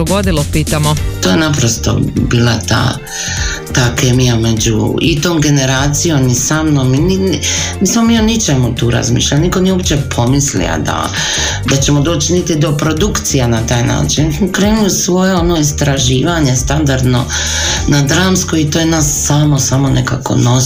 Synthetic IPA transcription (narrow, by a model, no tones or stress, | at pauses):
d̪oɡod̪ilopiːt̪amot̪oːjenapɾo̞st̪o̞̰biːlˠat̪a̰ː | t̪aːke̞mijame̞d͡ʑṵḭt̪oːmɡe̞ne̞ɾaːt̪sijo̞misamno̞mininiːsmo̞mionit͡ʃe̞mut̪uːɾa̰zmḭːʃlʎalnikoniopt͡ɕe̞pʰo̞mislḭa̰d̪a̰ | d̪at͡ɕe̞mo̞d̪o̞ːt͡ɕinit̪id̪o̞pɾo̞d̪ukt̪sijanat̪aːjna̰ːt͡ʃinnismokɾe̞ːnujusʋo̞jeonoist̪ɾaʒiːʋaɲest̪and̪aɾd̪no̞̰ | nad̪ɾaːmskoit̪ojenaːsːamo̞samo̞neka̰ko̞̰no